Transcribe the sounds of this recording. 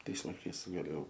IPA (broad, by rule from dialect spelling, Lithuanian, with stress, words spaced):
ˈtɐɪs lˠɐɪˈkɐɪs ɡɐˈlʲeːjɛʊ